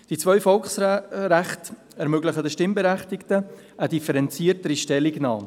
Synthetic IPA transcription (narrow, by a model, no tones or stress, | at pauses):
d̥it͡svœʏfɔlksɾæχt | ɛɾmøɡləχədəʃtɪmbeɾæχtɪktə | ʔədifəɾɛnt͡siːəɾtəɾiʃtɛlːiɡnɑːm